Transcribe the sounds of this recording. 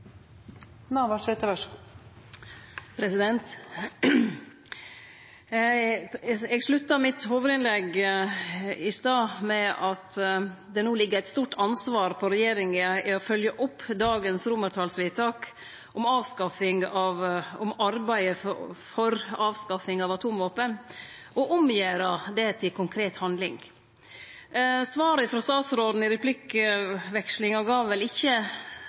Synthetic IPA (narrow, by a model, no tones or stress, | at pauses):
nɑʋɑʂɛt̪əʋæʂ | pʰɾɛsɪd̪ɛnt̪ | ɛɡʂɭʉt̪ːəmɪt̪hoːʋəɾɪnlɛɡ | ɪst̪ɑːmɛɑt̪d̪ɛnuːlɪɡːəɾæɪt̪st̪uːʈʰɑnsʋɑːɾpʰɔɾɛjeːɾɪŋəɪɔfœljəʔʊpːd̪ɑːɡənsɾʊməɾʈʰɑːlsʋɪːt̪ʰɑːk | ɔmɑːʋskɑfɪŋɑʋɔmɑɾbæɪəfɔɾɑːʋskɑfɪŋɑʋɑt̪ʰuːmʋoːpənʔɔʔʊmjeːɾɑd̪ɛt̪ʰɪlkʰʊŋkʰɾeːt̪hɑnd̪lɪ̰ŋ | sʋɑːɾəfɾɔst̪ɑːt̪sɾoːd̪n̩ɪɾɛpʰlɪkʋɛkʂlɪŋɔɡɑːʋʋɛlɪçːə